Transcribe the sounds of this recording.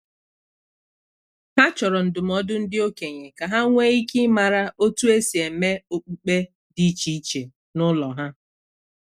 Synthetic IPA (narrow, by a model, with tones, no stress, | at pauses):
ha˦t͡ʃɔ˨ɾɔ˨n̩˨dʊ˨m̩˦ɔ˦dʊ˦n̩˦dɪ˦o˦ke˨ɲe˨ka˨ɦa˦ŋʷe˦i˦ki˦ma˨ɾa˦o˦tu˦e˦si˨e˨me˦o˨k͡pu˨k͡pe˦ | di˦t͡ʃi˦i˦t͡ʃe˨ | nʊ˦lɔ˨ɦa˦